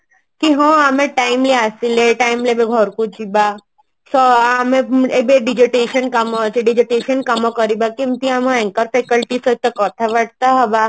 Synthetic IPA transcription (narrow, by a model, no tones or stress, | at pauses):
kiɦõamẽʈaːɪmleasileʈaɪmlebeɡʱɔɾkut͡ʃiba | sɔamẽebeɖɪd͡ʒeʈeːʃənkɐmɔt͡ʃeɖid͡ʒiʈeːʃənkɐmɔkəɾibakimt̪iamõɛ̃ŋkəɾfeːkəlʈisot̪ɐkɔt̪ʰaʋɐʈ̚t̪aɦɐba